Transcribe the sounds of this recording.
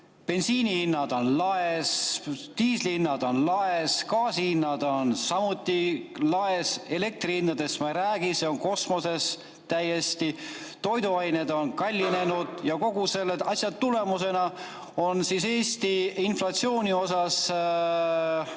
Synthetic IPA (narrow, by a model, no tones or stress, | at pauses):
pe̞nsiːnihinːɑd̪̥o̞nlɑest̪iːslinːɑd̪̥o̞nlɑeskɑːsihinːɑd̪o̞nsɑmut̪ːˑilɑese̞le̞k̚t̪riinːɑd̪̥e̞smɑɾæːɡ̥iseo̞ŋko̞smo̞se̞s | t̪æje̞st̪i | t̪o̞jd̪uɑjne̞d̪̥o̞nkɑlʲːine̞nud̪̥jɑko̞ɡ̥use̞lːeɑsʲjɑt̪ːule̞muse̞nɑ | onsise̞ːst̪iinflɑt̪sio̞ːnʲio̞sɑs